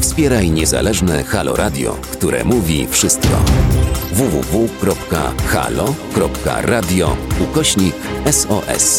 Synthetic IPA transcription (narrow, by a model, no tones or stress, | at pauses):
fspʲjɛɾajɲɛza̰lɛʐnɛxalɔɾʔad̪ʲjɔ̰kt̪uɾɛ̰muvʲḭfʂɘst̪kɔ | vuvṵvukɾɔpka̰xa̰lɔkɾɔpka̰ɾad̪ʲjɔukɔɕɲikɛsɔʔɛ̰s